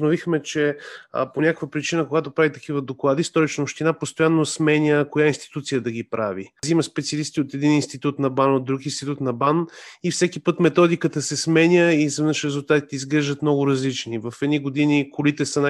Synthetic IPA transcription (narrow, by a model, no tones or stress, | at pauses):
novixmɛt͡ʃɛponʲakəkvəpɾit͡ʃinəkoɡat̪opɾavit̪ɐkivəd̪oklˠad̪ist̪ɔɾit͡ʃnəopʃt̪inapost̪ojanːosmɛnʲəkojainst̪i̥t̪ut̪sijəd̪ɐɡipɾaviziməspɛt̪siɐlist̪iot̪ɛd̪ininst̪it̪ut̪nɐbanod̪ɾukinst̪it̪ut̪nɐbanifsɛkipət̪mɛt̪ɔd̪ikət̪əsɛsmɛnʲəizɐvɛvnəʃɾɛzulˠt̪at̪i̥t̪ɛizɡɾɛʒd̪ət̪mnɔɡʊɾɐzlit͡ʃnivɐfɛd̪niɡod̪inikolit̪ɛsəna